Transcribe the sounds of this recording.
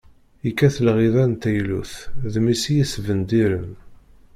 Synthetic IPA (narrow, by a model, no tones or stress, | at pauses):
ikːæθəlʁiðænt̪æjlṵθðmisijisvənd̪iɾən